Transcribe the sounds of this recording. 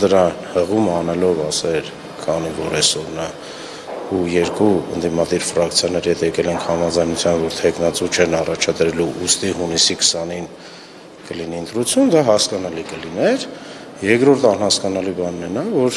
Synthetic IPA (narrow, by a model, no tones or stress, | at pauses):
d̪əɾɑnhəʁumɑnɛlɔvɑsɛɾ | kʰɑnivɔɾɛsɔɾnɑ | ujɛɾkuə̰nd̪imɑd̪iɾfɾɑkʰt͡sʰjɑnɛɾihɛt̪ʰjɛkɛlɛŋkʰhɑmɑd͡zɑjnut͡sʰjɑnvɔɾt̪ʰɛknɑt͡sut͡ʃʰɛnɑrɑt͡ʃʰɑd̪ɾɛluʔust̪iɦunisikʰə̥sɑnin | kəliniənt̪ɾut͡sʰjund̪ɑɦɑskɑnɑlikəlinɛɾ | jɛkɾɔɾt̪ʰɑnhɑskɑnɑlibɑnːɛnɑvɔɾ